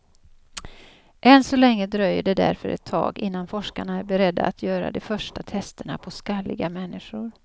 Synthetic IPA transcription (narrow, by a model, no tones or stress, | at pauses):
ʔɛnsɔlɛŋːəd̪ɾœjːəɖɛd̪æ̰ɾfœɾʔɛ̰t̪ʰːɑ̰ːɡɪnːanfɔʂkaɳaæɾbɛɾɛd̪ːa̰at̪ʰjœːɾa̰d̪ɛfœʂʈat̪ʰɛst̪əɳa̰pʰɔskalːɪɡamɛnːɪʂʊɾ